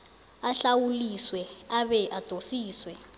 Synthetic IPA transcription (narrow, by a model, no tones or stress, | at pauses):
aɬawuliswɛaβɛʔad̥ʱosiːswɛ